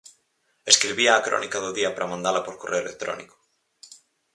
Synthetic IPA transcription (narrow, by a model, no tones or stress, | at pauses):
e̞skɾiβiaːkɾo̰nikaðoðiapaɾamãnd̪alapoɾkoreoelek̚t̪ɾo̰niko̥